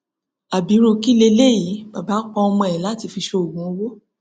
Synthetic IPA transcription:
a˨bi˨˦ɾ̃o˧ki˦le˧le˦˨ji˨˦ba˨ba˨˦k͡pɔ̃˧ɔ˧mɔ̃˧ɛ˨la˨˦˨ti˧fi˧ʃo˧o˨ɡũ˨˦o˧˦wo˦

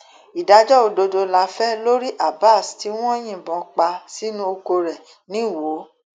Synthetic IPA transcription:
i˨da˨˧d͡ʒɔ˦o˧do˧do˧la˧fɛ˦lo˦ɾi˦ʔa˦˨ba˦˨sti˨˦w̃ɔ̃˦j̃ĩ˦˨bɔ̃˨˧k͡pa˧si˦nũ˦o˧ko˧ɾɛ˨ | nĩ˦˨wo˨˦

